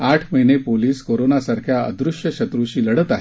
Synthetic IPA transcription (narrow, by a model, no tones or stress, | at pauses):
aʈʰməɦinepoliːskoɾonasaɾkʰjaə̰d̪ɾuʂjəɕət̪ɾuɕiːləɽət̪aɦe